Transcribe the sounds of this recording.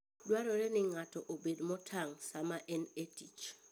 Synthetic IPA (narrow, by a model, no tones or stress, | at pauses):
dwaɾɔɾɛnɪŋatɔʔobedmɔtʰaŋsamaʔɛnetit͡ʃ